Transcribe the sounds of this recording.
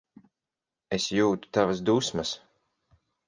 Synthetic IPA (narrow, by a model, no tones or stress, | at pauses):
esjuːt̪u̥t̪avasd̪usmɐs